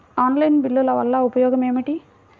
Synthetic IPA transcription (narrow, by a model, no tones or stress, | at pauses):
aːnlɐɪnbɪlːɐlɐʋɐlːãːʊpɐjoːɣɐmeːmɐʈːi